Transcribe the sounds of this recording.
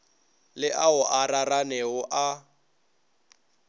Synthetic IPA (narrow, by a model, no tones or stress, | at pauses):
lɪʔaʊʔararanɛʊʔa